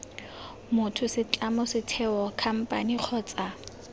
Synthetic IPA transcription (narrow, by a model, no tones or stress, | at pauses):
mʊtʰʊsɪt͡ɬʼamʊsɪtʰɛɔkʰam̩pʼa̰niq͡χʰɔːt͡sʼa